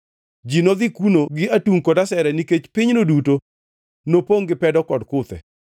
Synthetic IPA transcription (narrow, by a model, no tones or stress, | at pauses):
d͡ʒinod̪ikunoɡɪʔatuŋkɔdasɛɾɛniket͡ʃpɪɲnoduto | nopoŋɡɪpɛdɔkɔdkʊt̪ɛ̰